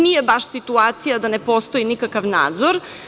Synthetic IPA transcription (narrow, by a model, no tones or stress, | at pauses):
nijebaʃsit̪uaːt̪sijad̪anepost̪o̞inikakaʋna̰ːd̪zoɾ